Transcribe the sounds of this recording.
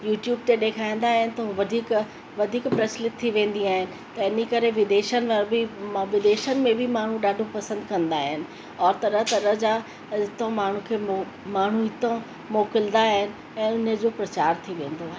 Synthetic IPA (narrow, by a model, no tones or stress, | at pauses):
juːʈjuːbt̪eɗeːkʰaːĩːn̆d̪aːɦɪnɪ̆t̪ɐɦũʋɐd̪ʱiːk | ʋɐd̪ʱiːkpɾɐslɪt̪ʰːiʋẽːn̆d̪iaːɦɪnɪ̆t̪ɐɪnikɐɾeʋɪd̪eːʃənɪ̆ʋɐɾbʱiʋɪd̪eːʃənɪ̆mẽbʱimaːɳ̤ũɗaːɖʱõpɐsə̃nd̪kɐ̃nd̪aːɦɪnɪ̆ | ɔːɾt̪ɐɾəɦt̪ɐɾəɦd͡ʑa | ɪt̪õmaːɳ̤ũkʰeː | maːɳ̤uɪt̪õ | moːkɪld̪aɦɪnɪ̆ | ɛ̃ːʊnəd͡ʑoːpɾɐt͡ɕaːɾt̪ʰiʋẽːn̆d̪oaːɦɪn